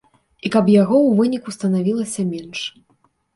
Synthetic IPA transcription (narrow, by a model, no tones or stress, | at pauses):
ikɐpjaɣɔwvɨnʲikust̪ɐnavʲilˠɐsʲɐmʲɛnʂ